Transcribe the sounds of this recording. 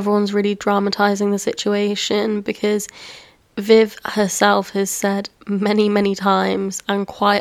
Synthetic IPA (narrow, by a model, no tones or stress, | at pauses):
vɹiwʌ̃nzɹɪːlidɹɑmətʰaɪzɪ̃ŋðəsɪt͡ʃueɪʃə̃nbɨkʰɒz̥ | vɪv̥həsɛlˠfhəz̥sɛdmɛnimɛñitʰãɪ̃mz̥ə̃nkʰw̥aɪ